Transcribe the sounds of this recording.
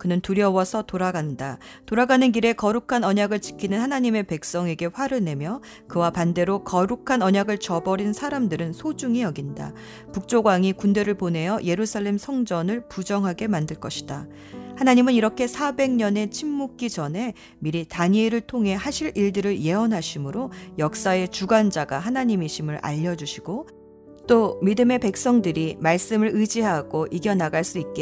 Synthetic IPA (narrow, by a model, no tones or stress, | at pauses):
kɯnɯntuɾjʌwʌsʰʌtoɾaɡandatoɾaɡanɯnɡiɾe̞kʌɾukʰanʌɲaɡɯɭt͡ɕi̥kʰinɯnhanaɲime̞pe̞k̚s͈ʌŋe̞ɡe̞ɸwaɾɯne̞mjʌ | kɯwapande̞ɾokʌɾukʰanʌɲaɡɯɭt͡ɕʌbʌɾinsʰaɾamdɯɾɯnsʰod͡ʑuŋijʌɡinda̰ | puk̚t͡ɕ͈oɡwaŋikunde̞ɾɯɭpone̞jʌje̞ɾusʰaɭːe̞msʰʌŋd͡ʑʌnɯɭpud͡ʑʌŋɦaɡe̞mandɯɭk͈ʌɕʰi̥d̥a | hanaɲimɯniɾʌkʰe̞sʰabe̞ŋɲʌne̞t͡ɕʰimːuk̚k͈id͡ʑʌne̞ | miɾitaɲeɾɯɭtʰoŋɦe̞haɕʰiɾiɭdɯɾɯɭje̞ʌnɦaɕʰimɯɾojʌk̚s͈ae̞t͡ɕuɡand͡ʑaɡa̰ɦanaɲimiɕʰimɯɾa̰ʎːʌd͡ʑuɕʰiɡ̥o | t͈omidɯme̞pe̞k̚s͈ʌŋdɯɾimaɭs͈ɯmɯɾɯd͡ʑiɦaɡ̥oʔiɡjʌnaɡaɭs͈uit̚k͈e